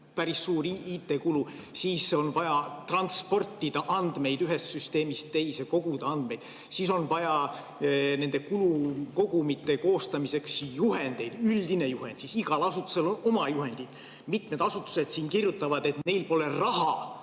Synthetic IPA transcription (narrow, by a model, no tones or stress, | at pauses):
pæɾisːuːɾiiːt̪ːˑe̞kulu | siːso̞nvɑjɑt̪rɑnt̪spo̞rt̪ːˑid̪̥ɑʔɑnd̪me̞jd̪yɦest̪syst̪e̞ːmist̪ːe̞jse̞ko̞ɡ̥ud̪̥ɑɑnd̪̥me̞jd̪̥ | siːso̞nvɑjɑ | ne̞nd̪e̞kuluko̞ɡ̥umit̪ːˑe̞ko̞ːst̪ɑmise̞ksjuɦe̞nd̪̥e̞jd̪̥yld̪ine̞juhe̞nd̪̥sisiɡ̥ɑlɑsut̪ːˑu̥se̞lono̞mɑjuɦe̞nd̪̥id̪̥ | mit̪me̞d̪ɑsut̪ːˑu̥se̞d̪̥siːnkirjut̪ːˑɑvɑd̪̥e̞t̪ne̞jlpo̞le̞rɑɦɑ